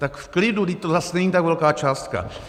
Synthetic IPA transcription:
t̪akfklɪduɡdɪct̪ozasnɛɲiːt̪akvɛlkaːt͡ʃaːst̪ka̰

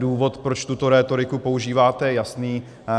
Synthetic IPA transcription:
duːvo̞t̪pɾot͡ʃt̪ut̪o̞ɾɛːt̪o̞ɾɪkupo̞uʒiːvaːt̪ɛjasniː

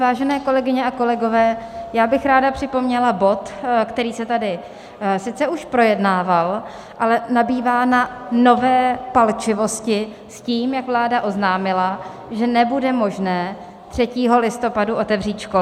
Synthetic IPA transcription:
vaːʒɛnɛːko̞lɛɡɪɲɛʔako̞lɛɡo̞vɛːjaːbɪxɾaːdapr̥ɪpo̞mɲɛlabo̞t̪kt̪ɛɾiːsɛt̪adɪ | sɪt͡sɛuʃpɾo̞jɛdnaːval | ʔalɛnabiːvaːnano̞vɛːpalt͡ʃɪvo̞scɪ | sciːmjakvlaːdaʔo̞znaːmɪla | ʒɛnɛbudɛmo̞ʒnɛː | t̪r̝̥ɛciːɦo̞lɪst̪o̞paduʔo̞t̪ɛvr̝iːt̪ʃko

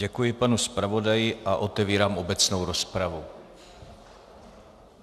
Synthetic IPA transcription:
ɛkujɪpanuspɾavo̞dajɪʔaʔo̞t̪ɛviːɾaːmo̞bɛt͡snowɾo̞spɾavu

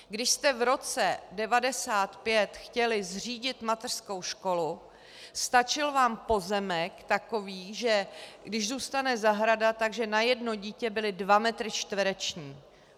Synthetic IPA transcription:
ɡdɪʃst̪ɛvɾo̞t͡sɛdɛvadɛsaːt̪pjɛt̪xcɛlɪzr̝iːɟɪt̪mat̪ɛr̥sko̞wʃko̞lu | st̪at͡ʃɪlvaːmpo̞zɛmɛkt̪ako̞viːʒɛɡdɪʒzuːst̪anɛzaɦɾadat̪aɡʒɛnajɛdno̞ɟiːcɛbɪlɪdvamɛt̪ɾɪt͡ʃt̪vɛɾɛt͡ʃɲiː

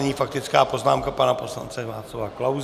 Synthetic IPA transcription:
ɲiːfak̚t̪ɪt͡skaːpo̞znaːmkapanapo̞sla̰nt͡sɛvaːt̪t͡slavaklawz

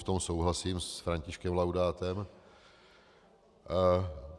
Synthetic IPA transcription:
ft̪o̞msowɦlasiːmsfɾaɲcɪʃkɛmlawdaːt̪ɛm

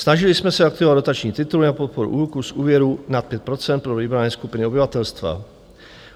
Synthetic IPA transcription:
snaʒɪlɪsmɛsɛak̚t̪ɪvado̞t̪at͡ʃɲiːt̪ɪt̪ulnapot̪̚po̞ɾṵʔuːlkusʔuːvjɛɾunat̪̚pjɛt̪̚pɾo̞t͡sɛnt̪pɾoviːbɾanɛːskupɪnɪobɪvat̪ɛlst̪va̰

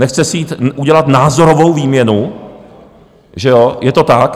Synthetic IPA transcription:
nɛxt͡sɛsjiːt̪ʔuɟɛlat̪naːzo̞ɾo̞vowviːmɲɛnu | ʒɛo̞jɛt̪o̞t̪ak

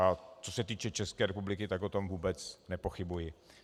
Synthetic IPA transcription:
at͡so̞sɛt̪iːt͡ʃɛt͡ʃɛskɛːɾɛpublɪkɪt̪akʔot̪o̞mvuːbɛt͡snɛpo̞xɪbujɪ

